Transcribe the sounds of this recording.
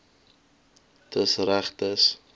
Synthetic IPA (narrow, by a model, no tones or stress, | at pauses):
tʰəsræχtəs